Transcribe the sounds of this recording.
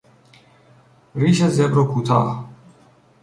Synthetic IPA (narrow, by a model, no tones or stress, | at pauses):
ɾiʃazɛbɾokʰut̪ʰaː